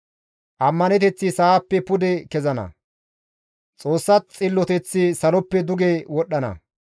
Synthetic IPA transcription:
ʔɐmːɐnɛt̪ɛt͡sːisaːpːɛpʊd̪ɛkɛzɐnɐ̰ | t͡sʼo̞ːsːɐt͡sʼɪlːɔt̪ɛt͡sːisɐlɔpːɛd̪ʊɡeːwɔɗːɐnɐ̰

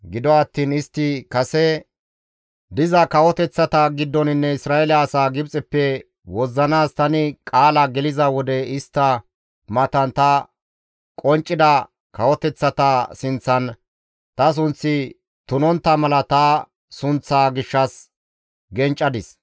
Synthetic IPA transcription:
ɡɪd̪ɔɐt̪ːiːnɪst̪ːɪkɐsɛ | d̪ɪzɐkɐwɔt̪ɛt͡sːɐt̪ɐɡɪd̪ːɔnɪnːɛɪsɾaːɛlɐːsaːɡɪbt͡sʼɛpːɛ | wɔzːɐnaːst̪ɐnɪkʼaːlɐɡɛlɪzɐwɔd̪ɛɪst̪ːɐ | mɐt̪ɐnt̪ɐ | kʼɔnt͡ʃʼːɪd̪ɐ | kɐwɔt̪ɛt͡sːɐt̪ɐsɪnt͡sːɐn | t̪ɐs̬ʊnt͡sːɪ | t̪ʊnɔnt̪ːɐmɐlɐt̪ɐ | sʊnt͡sːaːɡɪʃːɐs | ɡɛnt͡ʃʼːɐd̪ɪs

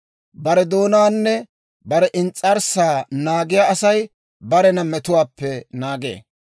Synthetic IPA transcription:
bɐɾɛd̪oːnaːnːɛ | bɐɾɛʔɪnt͡sʼːɐɾsaːnaːɡɪjaːɐsɐj | bɐɾɛnɐmɛt̪ʊwaːpːɛnaːɡḛː

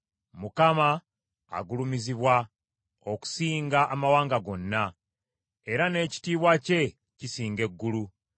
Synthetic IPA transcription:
mukama̰ː | ɡulumiziβwa | o̞ku̥siːŋɡaʔːmawaːŋɡaɡo̞nːa | e̞ɾane̞ːci̥tiːβwace̞ | cisiːŋɡe̞ɡːulu

